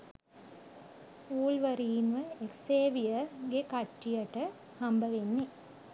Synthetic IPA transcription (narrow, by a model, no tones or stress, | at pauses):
uːlʋɐɾiːnʋəekseːʋijəɡekɐʈːijɐʈə | hɐmbəʋenːe